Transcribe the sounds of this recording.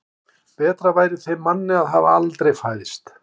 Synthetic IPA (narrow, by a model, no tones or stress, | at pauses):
pɛːt̪ɾavaːjɾɪθejmanːɪaðɦavalt̪ɾejfaːjðɪst̪